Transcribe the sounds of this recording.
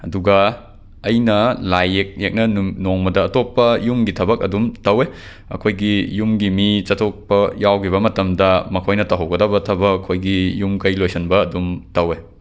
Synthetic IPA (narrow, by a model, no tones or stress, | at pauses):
ɐduɡɐ | ɐjnɐlajek̚jek̚nɐnoŋmɐdɐːtopːɐjumɡitʰɐbɐkɐ̰dumtɐwe | ɐ̰kʰojɡijumɡimit͡ʃɐtʰok̚pɐjawkʰiβɐmɐtɐmdɐmɐkʰojnɐtɐɦɐwɡɐdɐbɐtʰɐbɐːkʰojɡijumkɐjlojsɐnbɐːdumtɐwe